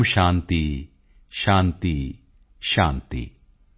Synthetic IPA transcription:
mʃaːnt̪i | ʃaːnt̪i | ʃaːnt̪ḭ

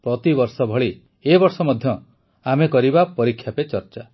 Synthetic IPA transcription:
pɾɔt̪ibɔɾsɔbʱɔɭi | ebɔɾsɔmɔd̪ʱjɔ | amekɔɾibapɔɾikʰːjapet͡ʃɔɾt͡ʃa

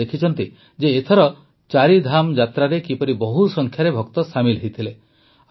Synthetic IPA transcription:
ekʰit͡ʃʰɔnt̪i | d͡ʒeːt̪ʰɔɾɔ | t͡ʃaɾid̪ʱamd͡ʒat̪ɾaɾekipɔɾibɔɦusɔŋkʰjaɾebʱɔkt̪ɔsamilɦejt̪ʰile

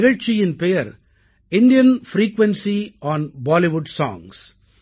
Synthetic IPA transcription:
ɪɣɐɻt͡ʃɪjɪnpɛjɐɾ | ɪnɖɪjɐnfɾiːkʋɛ̃nsiʔɔːnbaːlɪʋʊɖsɔ̰̃ːŋs

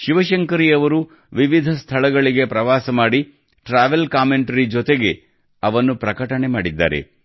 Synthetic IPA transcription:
ʃiʋɐʃɐŋkɐɾijɐʋɐɾu | ʋiʋid̪ʱɐst̪ʰɐɭɐɡɐɭiɡe̞pɾɐʋaːsɐmaːɽi | ʈɾaːʋelkaːmeɳʈɐɾid͡ʒɔt̪eɡe̞ | ɐʋɐnːupɾɐkɐʈɐɳe̞maːɽid̪ːa̰ːɾe̞̰

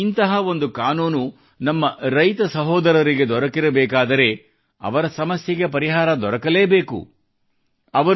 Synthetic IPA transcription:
int̪ɐɦɐʋo̞nd̪ukaːnuːnu | nɐmːɐɾɐjt̪ɐsɐɦɔːd̪ɐɾɐɾiɡe̞d̪ɔɾɐkiɾɐbɛːkaːd̪ɐɾe̞ | ɐ̰ʋɐɾɐsɐmɐsjɐɡep̬ɐɾiɦaːɾɐd̪ɔɾɐkɐle̞ːbeːkṵ | ɐʋɐ

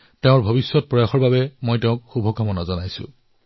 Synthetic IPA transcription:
teʊ̃ɹbʱobisːɔt̚pɹɔjaxɔɹbabɛmojteʊ̃k̚xubʱɔkamɔnazɔnajsʊ̰̃

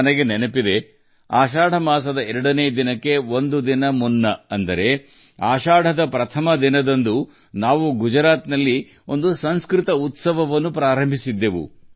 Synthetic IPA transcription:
ɐnɐɡenenɐpid̪e̞ | aːʃaːɽɐmaːs̬ɐd̪ɐɛɾɐɽɐneːd̪inɐkːe̞ʋo̞nd̪ud̪inɐmunːɐɐnd̪ɐɾe̞ | aːʃaːɽʱɐd̪ɐpɾɐt̪ʰɐmɐd̪inɐd̪ɐnd̪u | naːʋuɡud͡ʒɾaːt̪nɐlːi | o̞nd̪usɐnskɾit̪ɐut̪sɐʋɐʋɐnːupɾaːɾɐmbʱisid̪ːe̞ʋṵ

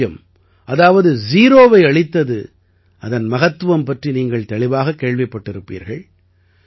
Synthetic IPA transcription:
jɐm | ʔɐðaːʋɐðɯziːɾoːʋɐɪɐɭɪt̪ːɐðɯ | ʔɐðɐnmɐɣɐt̪ːɯʋɐmpɐʈriniːŋɡɐɭt̪ɐɭɪʋaːɣɐkːeːɭʋɐɪpːɐʈːɪɾɯpːḭːɾɣɐɭ

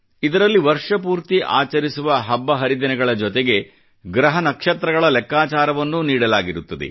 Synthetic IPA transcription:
id̪ɐɾɐlːiʋɐɾʂɐpuːɾt̪iʔa̰ːt͡ʃɐɾisuʋɐɦɐbːɐɦɐɾid̪ɐnɛɡɐɭɐd͡ʒɔt̪eɡe̞ | ɡɾɐɦɐnɐkʂɐt̪ɾɐɡɐɭɐlɛkːaːt͡ʃaːɾɐʋɐnːuniːɽɐlaːɡiɾut̪ːɐd̪ḛ

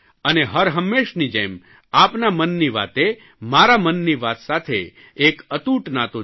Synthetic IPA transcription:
əneɦəɾɦəmːeʃnid͡ʒḛm | apnamənːiʋa̰t̪e | maɾamənːiʋat̪sat̪ʰeː | kət̪uʈnat̪o

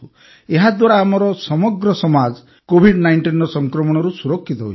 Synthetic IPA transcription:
u | eɦad̪waɾaːmɔɾɔsɔmɔɡɾɔsɔmad͡ʒ | kobʱiɖnajɳʈinɾɔsɔŋkɾɔmɔɽ̃ɔɾusuɾɔkʰːit̪ɔɦo̰

